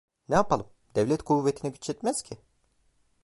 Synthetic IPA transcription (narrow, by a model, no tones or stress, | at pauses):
nɛjapalˠɯm | d̪̥ɛvlʲɛt̪kʰuvːet̪ʰinɛɟyt͡ʃɛt̪mɛz̥cʰɪ